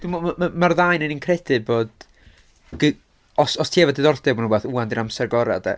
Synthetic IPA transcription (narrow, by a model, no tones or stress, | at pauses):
d̥umɔamamarðajnɨninkʰrɛdɨboːd̥ | ɡ | ɔsɔstʰiːɛvɔdɪðɔrdɛbmanunbɛːθuandiɾamsɛrɡɔɾa̰dɛ̰